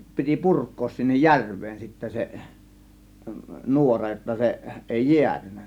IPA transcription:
piti purkˑoːs sinːej jærʋˑeːn sitːæ se nuorɑ jotːɑ se ʔeˑi jiætynːæ

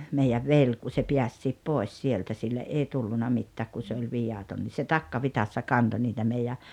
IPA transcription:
meijæʋ ʋel ku se piæsːiːp poˑes sieltæ silːeʔ ʔei tulːunɑ mitːæːk ku se olʲ ʋijɑton ni se tɑkːɑʋitɑsːɑ kɑnto niːtæ meijæ

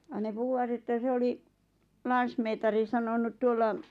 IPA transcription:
jɑ ne puhuwɑt etːæ se oli lɑnsmeːtɑri sɑnonut tuolːɑ

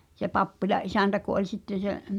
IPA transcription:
se pɑpːilɑʔ ʔisæntæ ku ʔolʲ sitːen̞ se

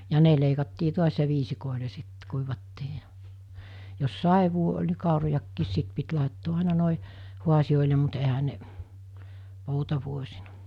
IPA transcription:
jɑ ne leikɑtːiː tuɑs jɑ ʋiːsikoˑile sit kuiʋɑtːiː jɑ jos sɑeʋˑuo olʲ ni kɑˑurojɑkːiːs sit pit lɑˑetːoː ɑˑenɑ noˑe huɑsij̆oˑile mut ehæ ne poutɑʋuosinɑ

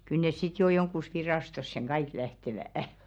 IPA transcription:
kyl nes sit jo joŋkːus ʋirɑˑstosːeŋ ɡ̊ɑik læhteʋæˑɑh

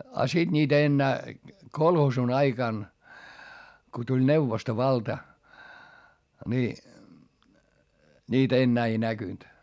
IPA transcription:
ɑ sid̥ niːtæ enːæː kolhoːsun ɑikɑn ko tulʲ neuʋostoʋɑltɑ ni niːt enːæː ei nækynt

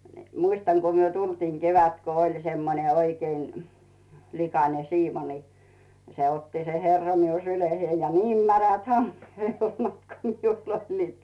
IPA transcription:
n̥i̥ muistɑŋ ku myø tultiːŋ keʋæt ko olʲ semːone oikein̆ likɑnen̞ siːmo ni se otːi se herːɑ miu syleheij jɑ niːm mæræt hɑmːeː helmɑt ko miul olʲliːt

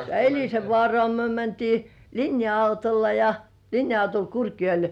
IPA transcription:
elʲiseʋːŏɑˑrŏɑˑ myø mæntiː linjɑɑutolːɑ jɑ linjɑɑutol kurkjoe̝l

